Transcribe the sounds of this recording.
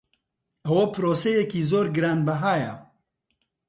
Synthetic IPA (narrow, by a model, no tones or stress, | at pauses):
ʔɐwɐpʰɨɾoːsejɛkiːzoːɾɡɨɾaːnbɐɦaːjɐ